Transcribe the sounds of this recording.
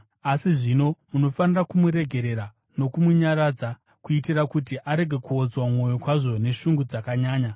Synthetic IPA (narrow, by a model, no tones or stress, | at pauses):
asiʐino̞muno̞fanirakumuɾe̞ɡʱe̞ɾe̞ɾa | no̞kumuɲaɾad͡za | kuitirakutiʔaɾe̞ɡʱe̞kuod͡zwamo̞jo̞kwaʐo̞ne̞ʃuŋɡud͡zakaɲaːɲa